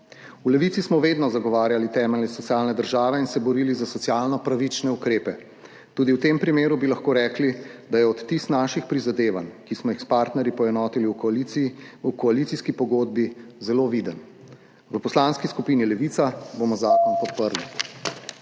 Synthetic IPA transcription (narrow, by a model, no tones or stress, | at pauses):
ulɛʋit̪sismɔʋeːd̪nɔzaɡɔʋaːɾjalit̪ɛːmɛlnɛsɔt̪siaːlnɛd̪əɾʒaːʋɛinsɛbɔɾiːlizasɔtsijaːlnɔpɾaʋit͡ʃnɛukɾeːpɛ | t̪uːd̪iwt̪eːmpɾimeːɾubilaxkoːɾɛːklid̪ajɛɔt̪ːist̪naːʃixpɾizad̪eːʋankismɔixspaːɾt̪nɛɾjipɔjɛnɔːt̪iliwki | kɔalit̪iskipɔɡoːd̪̚bizɛloʋid̪ən | ʋəpɔslaːnskiskupiːnilɛʋiːt̪sabomɔzaːkɔnpɔt̪̚pəɾli